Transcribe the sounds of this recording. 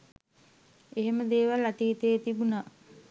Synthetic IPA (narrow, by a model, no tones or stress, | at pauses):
eɦeməd̪eːʋalat̪iːt̪əjet̪ibuna